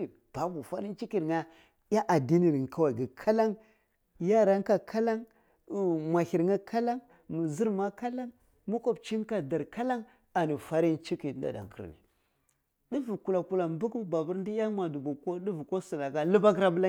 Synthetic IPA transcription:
b̥a˨bu˨fa˦ɾi˦nt͡ʃi˦ki˨ɾŋa˦ | ja˦ʔa˨di˦ni˨ɾŋ˨ka˦wa˨ɡi˨kʰa˦la˦ŋ | ja˦ɾa˦ŋka˨kʰa˦la˦ŋ˨ | mʷa˨hi˨ɾŋa˦kʰa˦la˦ŋ | mu˨zi˦ɾma˦ka˦la˦ŋ | mu˦ko˨bt͡ʃi˦n˦ka˨da˨ɾka˦la˦ŋ | a˨ni˨fa˦ɾi˦nt͡ʃi˦ki˨tnda̰˨da̰˨ŋkə̰˦ɾnḭ˨ | di˦vu˨ku˨la˨ku˨la˨bu˦ku˦ba˨bu˦ɾn˦di˦ja˦mʷa˨du˨ɡu˨ko˦di˦vu˨ko˦su˨la˨ka˦lə˦ba˦ɡɾa˦bə˦la˦

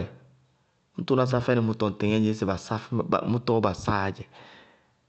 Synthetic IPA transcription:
ɛ˨ | n̩˦tu˦na˨s̬a˦fɛ˦nɛ˨mu˦tɔ˨te˨ŋɛ˦ɲe˦se˨ba˨sa˦fmu˦tɔ˦ba˨sa˦˨d͡ʒɛ˨

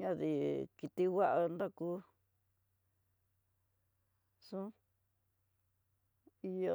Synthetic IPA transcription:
ɲã˦ði˧ki˧t̪i˧wa˦ʔa˧nd̪a˦ku˦ | sũ˦ | i˧jo˧

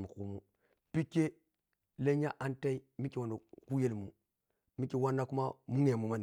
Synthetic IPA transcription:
mu˨ku˦mu˦ | pi˦kːe˦ | le˦ɲa˦ʔa˦nta˦i˦mi˦ki˨wa˨no˨ku˦je˦lmu˦ | mi˦ki˨wa˦nːa˦ku˦ma˦mu˦ŋe˨mu˨ma˦n˨

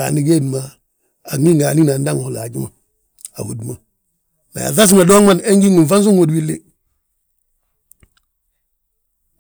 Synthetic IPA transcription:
a̰˨ni˦ɡe˦˨dma˨ | a˨ŋi˦ŋɡa˨ni˦na˨nda˦ŋ˨la̰˨d͡ʒi˦ma˨ | a̰˨hu˦dma˨ | na̰˨ja̰˨θa˦s̬i˦ŋa˨do˦ŋma˦˨ne˦ŋɡi˦ŋi˨fa˦n˦s̬u˦ŋwo˨dwi˦lḛ˦

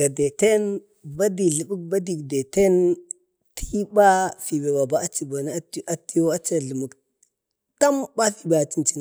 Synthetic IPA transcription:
ɡa˨de˨te˦n | ba˦di˨ɮə˨ɓu˦k̚ba˦di˨kde˨te˦n | tʰi˦ba˦fi˨be˨ba˨ba˦a˦t͡ʃi˨ba˨n˦a˦ʔa˨ti˦jo˦a˦t͡ʃa˨ɮə˨mu˨k | ta˦mba˦fi˨ba˨t͡ʃi˦nt͡ʃi˦n

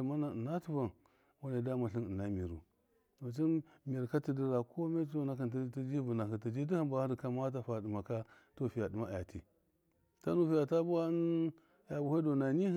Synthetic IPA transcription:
ma˦na˨na˦tu˦va˨n | wa˦ne˨da˦ma˨ɬi˦ni˨na˦mi˨ɾṵ˨ | u˨t͡ʃi˦ | m˨i˨ɾka˦ti˨di˦ɾa˨kʰo˦me˦t͡ʃi˦o˦na˦ka˨n˦ti˦d͡ʒi˦vu˨na˨hi˨ti˨d͡ʒi˦di˦hi˦ba˨˦hɾi˨ka˦ma˦t̬a˨fa˨di˨ma˨ka˦ | to˦fi˨ja˨di˨ma˦˨ja̰˨tḭ˨ | ta˦nu˦fi˦ja˨ta˦bu˦a˦n | ja˨bu˨ha˦do˨na˨ni˦

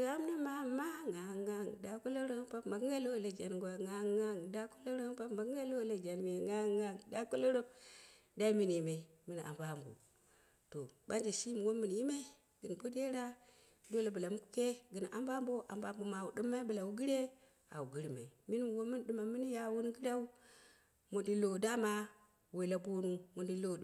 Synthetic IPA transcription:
da˦m˦na˦ma˨ma˦ŋa˨ŋa˦ŋ˨da˨ku˦lo˦ɾo˦pa˦bma˨ɡŋɡa˦lo˦˨la˨d͡ʒa˨nɡʷa˨ŋa˨˦ŋa˦ŋ˨da˦ku˦lo˦ɾo˦pa˦ma˨ɡa˦lo˦˨la˨d͡ʒa˨nm˨e˨ŋa˦ŋa˦ŋ˨da˦ku˦lo˦ɾo˦ | da˦i˦mi˦n˨ji˨ma˨i˨ | mi˦n˨a̰˨mba˦˨mbo̰˨ | to˨ba˦nd͡ʒe˨ʃi˦m˨wo˦mɨ˦n˨ji˦ma˦i˦ | ɡ̥ɨ˨n˨bo˦de˦ɾa˦ | do˦la˨bu˨la˨m˦ku̥˦ke˦ɡɨ˨n˨ʔa˦mba˦mbo˦ʔa̰˨mba˦mbo˨ma˨wu˨ɗɨ˦mːa˦bɨ˨la˨wu˦ɡi˦ɾe˦ | a̰˨wu˨ɡɨ˦ɾi˨ma˨i˨mi˦n˦m˨wo˦mɨ˦n˦ɗɨ˦ma˨mi˦ni˦ja˦wu˦n˦ɡɨ˦ɾa˦u˦ | mo˨di˦lo˨da˦ma˦ | we˨la˨bo˦nu˦mo˨ndi˦lo˦˨˦

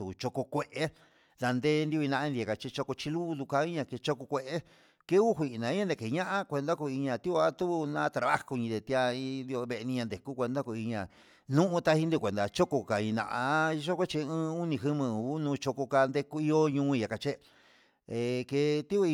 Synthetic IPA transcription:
u˨t͡ʃo˧ko˧kʷe˧ʔe˦ | ða˧nd̪e˦nd̪i˧nã˧ʔĩ˧nd̪a˨ka˧t͡ʃe˧t͡ʃo˧ko˧t͡ʃi˧lu˦˧ðu˧ka˧i˦ɲã˧ke˧t͡ʃo˧ko˧kʷe˧ʔe˦ | ke˦u˦ɦʷi˨ʔnã˨˧ĩ˦ɲã˦nd̪e˨ke˨˧ɲã˦ʔã˦kʷe˧nd̪a˦ku˧i˧ɲã˧˨t̪i˦u˧a˦t̪u˦˧nã˦t̪ɾa˨βa̰˦ko˧ɲĩ˧d̪e˨˧t̪i˧a˧i˧nd̪i˧o˧βe˧e˧nĩ˧ɲã˧nd̪e˨ku˦kʷe˧nd̪a˦ko˧i˧ɲã˨ | nũ˦ʔũ˧t̪a˧˦hi˧˦nd̪i˧kʷe˨nd̪a˧t͡ʃo˦ko˧ka˨ĩ˧nã̰˧˨ʔa˧i˧ʃo˦kʷe˦t͡ʃi˧ɨ̃ː˦u˦nĩ˧ɦɨ˦mɨ̃˧˨u˦nũː˧t͡ʃo˧ko˧ka˧nd̪e˧ku˦i˧o˦ɲũː˦˧˦i˧a˨ka˧t͡ʃe˦ | e˨ke˧t̪i˦u˧i˧

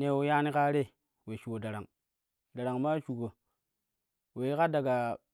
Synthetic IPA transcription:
ne˨wo˨ja˦ni˦ka˦ɾe˦ | we˨ʃu˨ko˨da˨ɾa̰˨ŋ | da˨ɾa˨ŋma˦ʃu˨ko˨ | we˨˦ka˦da˨ɡa˨

